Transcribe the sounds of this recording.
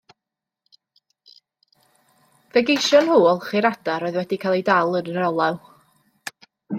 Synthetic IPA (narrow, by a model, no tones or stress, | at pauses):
v̥ɛɡejʃɔnhuːlˠχiɾad̥aɾoːɨðwɛdikʰalˠejdalˠənəɾɔlˠaw